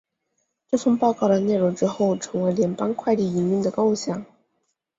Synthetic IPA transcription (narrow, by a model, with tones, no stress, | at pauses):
ʈ͡ʂɤ˥˩fɤ˥ŋpɑ˥˧ʊkɑ˥˩ʊd̪ə˩ne˥˩ɪɻʊ˧˥ŋʈ͡ʂɻ̩˥xo˥˩ʊʈ͡ʂʰɤ˧˥ŋwe˧˥ɪljɛ˧˥npa˥nkʰwa˥˧ɪli˥˩i˧˥ny˥˩d̪ə˩kɑ˥ʊɕjɑ˥˩ŋ